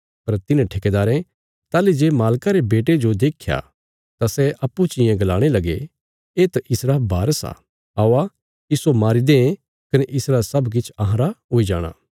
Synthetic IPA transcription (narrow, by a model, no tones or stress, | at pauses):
pɐɾt̪ɪnãʈʰeked̪aːɾẽ | t̪aːled͡ʒeːmaːlkaɾebeːʈ̬ed͡ʒod̪eːkʰja̰ | t̪asɛʔɐpːut͡ʃɪjẽɡɐlaːɽ̃elɐɡe | eːt̪ʔɪsɾaːbʱaːɾsa̰ | aːa | isomaːɾid̪ẽ | kɐneʔɪsɾaːsɐbk̬ɪt͡ʃʰɐɦãɾaɦoːid͡ʒa̰ːɽ̃a̰ː